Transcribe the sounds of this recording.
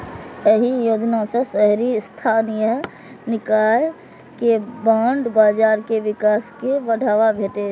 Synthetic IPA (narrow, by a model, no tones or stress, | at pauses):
jəɦijoːd͡ʒnasesɛɦɾist̪ʰaːnijə | nɪkaːj | kebãːɳɖbaːd͡ʒaːɾkeʋɪkaːskeʋɐɖʱaːʋabʱeːʈe